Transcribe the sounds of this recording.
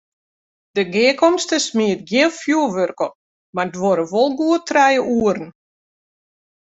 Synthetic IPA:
d̥əɡɪːkɔmstəsmiət̚ɡjiənfjuəʋørkə | mardʋoɾəʋolˠɡuətrɛjəuərn̩

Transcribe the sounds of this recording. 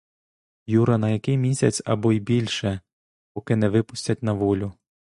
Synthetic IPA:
juɾɐnɐjɐkɪjmʲisʲɐt͡sʲɐ̰bɔibʲilʲʃɛ | pɔkɪnɛʋɪpʊsʲtʲɐtʲnɐʋɔlʲʊ

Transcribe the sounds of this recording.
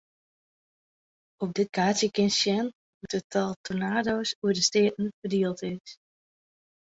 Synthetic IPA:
ɔp̚dɪt̚kʰaːtsjəkɪnsjɛn | mutətʰɔlˠtʰonaːdowsuədəstɪətn̩fərdiəlˠtɪs

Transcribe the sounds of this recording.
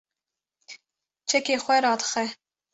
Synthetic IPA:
t͡ʃʰɛkeːxʷɛɾɑːd̪xɛ

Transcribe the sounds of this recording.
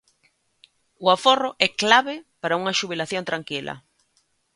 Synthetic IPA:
ʊaforʊʔɛklaβepaɾauŋɐʃuβilaθjont̪ɾaŋkilɐ̰

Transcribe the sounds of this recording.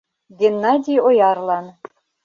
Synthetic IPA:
ɡʲenːɑdʲijojɑrlˠɑn

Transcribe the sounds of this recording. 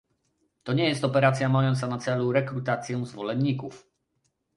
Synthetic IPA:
t̪ɔɲɛjɛst̪ɔpɛɾat̪sʲjamajɔnt̪sanat̪sɛluɾɛkɾut̪at̪sʲjɛ̃zvɔlɛnːikuf

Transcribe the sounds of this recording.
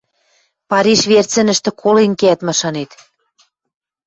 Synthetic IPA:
pɑɾʲiʃβert͡sɘ̆nə̆ʃt̪ɘ̆kʰolenkeæt̪mɑʃɑnet̪

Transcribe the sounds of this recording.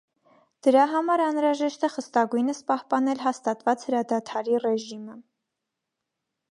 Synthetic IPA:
d̪̥əɾɑɦɑmɑɾɑnɾɑʒɛʃt̪ɛχəst̪ɑɡujnəspɑhpɑnɛlɦɑst̪ɑt̪vɑt͡shəɾɑd̪ɑt̪ʰɑɾirɛʒimə

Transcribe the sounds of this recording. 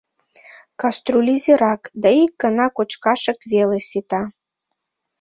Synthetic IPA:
kast̪rulʲizʲeɾakd̪aikːanakʷʼɔt͡ʃkaʂɐkvelˠɐsʲit̪ʰʼa

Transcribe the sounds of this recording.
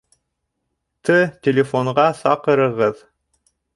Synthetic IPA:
t̪ɤtʲelʲɪfoɴʁɑsɑqɤ̆ɾɤ̆ʁɤð

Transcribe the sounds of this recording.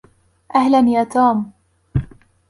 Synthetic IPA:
ʔahlanjaːt̪ʰuːm

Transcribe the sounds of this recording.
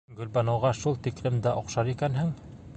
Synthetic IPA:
ɡɵ̆lbɑnɤ̆wʁɑʃulˠt̪iklɘmd̪æʔŏqʃɑɾikænɦɘŋ

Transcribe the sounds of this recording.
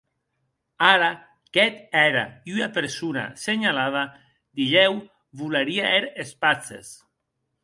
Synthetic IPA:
aɾa | kɛt̪ɛɾa̰iynapeɾsuna̰seɲalaða | d̪iʎɛw | βulaɾiaʔeɾespat͡sḛs

